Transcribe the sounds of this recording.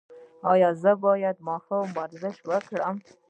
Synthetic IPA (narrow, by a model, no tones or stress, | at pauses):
ɑjɑzəbɑjad̪mɑhawmbaɾzɪʃwəkɽəm